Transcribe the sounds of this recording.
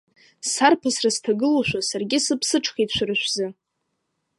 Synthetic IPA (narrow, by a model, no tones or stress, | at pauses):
sarpʰasrastʰaɡɨluʃʷᶣasarɡʲɪsɨpʰsɨʈ͡ʂʰχit͡ʃʷrɨʃʷᶣzɨ